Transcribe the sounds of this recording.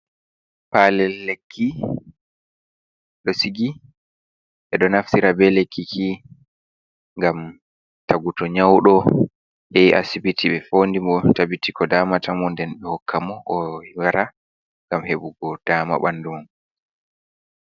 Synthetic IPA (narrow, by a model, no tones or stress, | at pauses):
paːlɛːekʰːi | ɗɔsiɡi | ɓɛɗɔnaftiɾabɛlekːikʰi | ŋɡam | taɡutɔɲawɗɔ | hɛjʔa̰sibitʰiɓɛfoːndimɔtabitikɔdaːmatʰamɔndɛnɓɛhɔkʰːamɔʔɔwaɾa | ŋɡamheɓuɡɔd̥aːma̰ɓandumn